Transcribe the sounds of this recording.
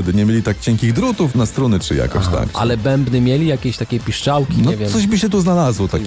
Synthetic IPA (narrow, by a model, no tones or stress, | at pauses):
ɛd̪ɘɲɛmʲjelʲit̪ak̚t͡ɕɛŋkʲiɣd̪ɾut̪ufnast̪ɾɔnɘt͡ʂɘ̰ja̰kɔ̰ɕt̪a̰kʔa̰lɛbɛmbnɘmʲjelʲijakʲeɕt̪akʲɛpʲiʂt͡ʂawkʲinɔɛvʲjɛmɔʑbɘɕɛt̪uznalazwɔt̪akʲ